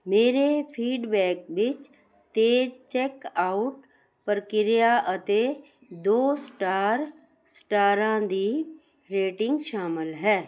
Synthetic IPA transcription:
meːɾepʰiːɖbɛːk̚bɪt͡ʃ | t̪eːd͡ʒt͡ʃeːkaːʊʈ | pəɾkɪɾijaʔət̪e | d̪oːsʈaːɾ | sʈaːɾãːd̪iː | ɾeːʈɪ̃ŋɡʃaːmɪlɦɛː

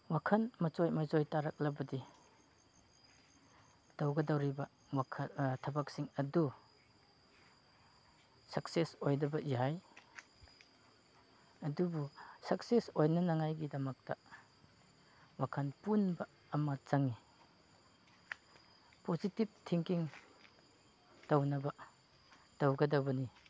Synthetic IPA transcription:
wakʰɐnmɐt͡ʃojmɐzojtaɾak̚lɐbɐdi | d̥awɡɐdawɾibɐ | wakʰtʰɐbak̚siŋɐdu | sɐksesojdɐbɐjaj | ɐdubusɐksesojnɐnaŋajɡidɐmɐk̚tɐ | wakʰanpunbɐː | mɐt͡ʃaŋi | pozitib̚tʰiŋkiŋ | tawnɐbɐ | tawɡɐdɐwbɐni

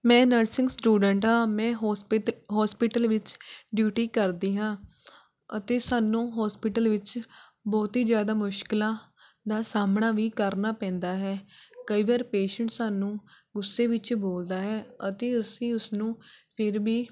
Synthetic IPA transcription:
mɛ̃ːnəɾsɪ̃ŋɡsʈuːɖəɳʈɦãːmɛ̃ː | ɦɔːspɪʈəlʋɪt͡ʃɖjuːʈiːkəɾd̪iːɦãː | ət̪eːsaːnũːɦɔːspɪʈəlʋɪt͡ʃ | bɔːt̪iːd͡ʒjaːd̪aːmʊʃkɪlãː | d̪aːsaːmɳaːʋiːkəɾnaːpɛ̃ːnd̪aːɦɛːkəiːʋaːɾpeːʃəɳʈsaːnũːɡʊsːeːʋɪt͡ʃboːld̪aːɦɛːət̪eːʊsĩːʊsnũːpʰɪɾʋiː

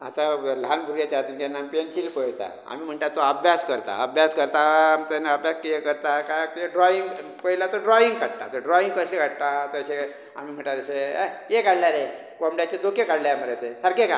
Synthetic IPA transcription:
at̪alanbʱuɾjat͡ɕat̪inkenampent͡ɕilpəjt̪a̰ | a̰miːm̤əɳʈ̪at̪oəbʱjaskəɾt̪a̰əbʱjaskəɾt̪amit̪aneəbʱjaskijekəɾt̪akakjeɖɾɔiŋɡpəilat̪oɖɾɔiŋɡkaɽt̪a̰t̪oɖɾɔĩŋɡkəsleɡʱaɽt̪at̪oəɕe | a̰miːm̤əɳt̪at̪əɕejekaɽljaɾe | komɽjat͡ɕed̪okekaɽljamaɾet̪esəɾkeka

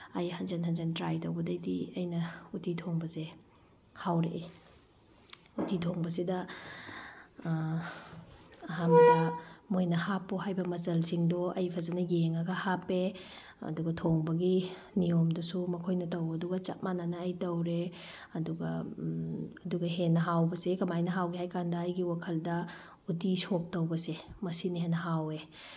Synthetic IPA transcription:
ajhand͡ʒanɦanzantɾajtɐwbɐdɐjdiɐjnɐutʰitʰoŋbɐse | hawɾe | utʰitʰoŋbɐsidɐ | ɐɦamɡɐmojnɐhapːuɦajbɐmɐzɐlsiŋdɔɐjpʰɐzɐnɐjeŋɐɡɐhapːe | ɐ̰duɡɐtʰoŋbɐɡi | niomdusumɐkʰojnɐtɐwɐduɡɐt͡ʃa̰t̚mananɐːjtɐwɾe | ɐduɡɐ | ɐduɡɐɦenːɐɦawbɐsekɐmajnɐɦawɡiɦajkandɐːjɡiwakʰɐldɐ | utisok̚tɐwbɐsemɐsiniɦenːɐɦawe

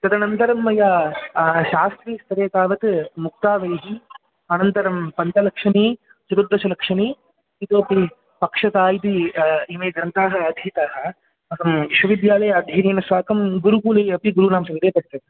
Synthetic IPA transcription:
t̪ɐd̪ɐnɐnt̪ɐɾɐmːɐjaː | ʃaːst̪ɾiːst̪ʰɐɾeːt̪aːʋɐt̪muk̚t̪aːʋɐjɐɦi | ɐnɐnt̪ɐɾɐmpɐnt̪ɐlɐkʂɐniː | t͡ʃuɾud̪ːɐsɐlɐkʂɐniː | it̪oːɐpi | pɐkʂɐt̪aːjit̪iimeːɡ̪ɾɐnt̪aːɦɐɐd̪ʱjit̪aːɦɐ | ɐkɐmiʃʋɐʋid̪jaːlɐjɐɐd̪ʱjɐɾiːnɐsʋaːkɐmɡuɾukuːlɐjɐpiɡuɾunaːmsɐid̪eːpɐɾt̪ːɐt̪

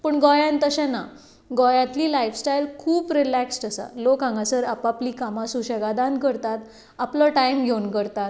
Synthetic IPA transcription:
pəɳɡɔjãnt̪əɕãna | ɡɔjãt̪liːlajfsʈajlkʰuːpɾilæksʈasa̰lokãŋɡasəɾapapliːkamasuɕəɡad̪ankəɾt̪at̪ | apləʈajmɡʱewnkəɾt̪at̪

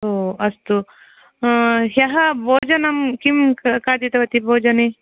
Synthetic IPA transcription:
oːɐst̪u | ɦjɐɦɐbʱoːd͡ʒɐnɐmkimkaːd̪it̪ɐʋɐt̪ibʱoːd͡ʒɐne

